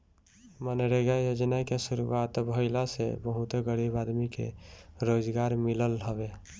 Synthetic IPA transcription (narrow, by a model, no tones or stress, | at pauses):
mənɾeɡajod͡ʒnakesuɾuwat̪bʱəɪlasḛbəɦut̪ɡəɽibad̪mikḛɾod͡ʒɡaɾmiləlɦəbe